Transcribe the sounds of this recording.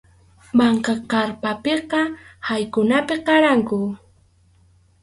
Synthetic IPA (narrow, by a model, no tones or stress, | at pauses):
mɑɴqɑqɑɾpapeqɑhajkʊnapɪqɑɾaŋkʊ